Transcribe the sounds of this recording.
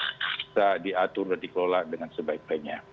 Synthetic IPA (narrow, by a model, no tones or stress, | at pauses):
sadiat̪ʊrdandikəlolaʔ̚dəŋansəbaik̚baik̚ɲa